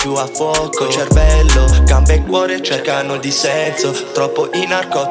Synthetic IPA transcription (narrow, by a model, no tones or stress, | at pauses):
pjuafwɔːkot͡ʃervɛlːoɡambekːwɔːɾet͡ʃerkanːod̪isɛnsot̪ɾɔpːoʔinarko